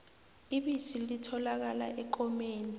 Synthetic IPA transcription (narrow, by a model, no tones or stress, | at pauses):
iɓisilitʰɔlak̬ala̰ʔɛǃɔmeːni